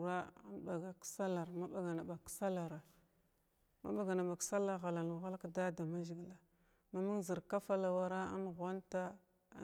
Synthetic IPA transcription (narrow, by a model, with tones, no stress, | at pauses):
ɾa˦a̰˦nɓa˨ɡa˨ksa˦la˨ɾma˦ɓa˨ɡa˨na˨ɓa˨ksa˦la˨ɾa˨ | ma̰˦ɓa˨ɡa˨na˨ɓa˨ksa˦la˦ɣa˨la˨n˨ɣa˦lka˦da˦da˨ma˦ʒi˨ɡla˨ | ma˦mu˦ŋzi˨ɾka˦fa˦la˨wa˨ɾa˦a̰˦nɣʷa˦nta̰˦